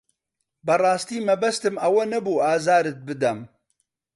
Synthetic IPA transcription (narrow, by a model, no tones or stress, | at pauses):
bɐrˤɑːst̪iːmɐbɐst̪ɨmɐwɐnɐbuːaːzaːɾɨt̪̚bɨd̪ɐm